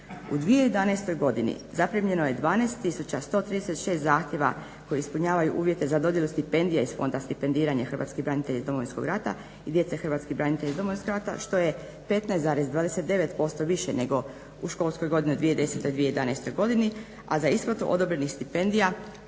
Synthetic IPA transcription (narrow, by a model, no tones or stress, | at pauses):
ud̪ʋijejed̪anajst̪o̞jɡo̞d̪inḭzapɾimʎe̞noje̞d̪ʋaːnajst̪t̪ːisut͡ɕast̪o̞t̪ɾid̪eset̪ʃe̞ːst̪zaːxt̪jeʋa̰ | kojeispuɲaːʋajuʔuːʋjet̪e̞zad̪o̞d̪je̞lust̪ipe̞nd̪ijaisfo̞̰nd̪ast̪ipe̞nd̪iːɾaɲaxr̩ʋa̰t̪skibɾanit̪e̞ʎaizd̪omo̞ʋinsko̞ɡɾat̪a̰ | id̪je̞t̪sexɾrʋat̪skibɾanit̪eʎizd̪o̞moʋinskoɡɾat̪a̰ʃt̪o̞je | pe̞t̪najsaːɾezd̪ʋaːd̪e̞set̪d̪e̞ʋe̞t̪po̞st̪o̞ʋiʃene̞ɡo̞ | uʃkolˠskojɡo̞d̪iniud̪ʋijed̪e̞set̪od̪ʋijejed̪anajst̪o̞jɡo̞d̪ini | azaisplˠat̪uʔod̪o̞bɾenixst̪ipe̞nd̪ija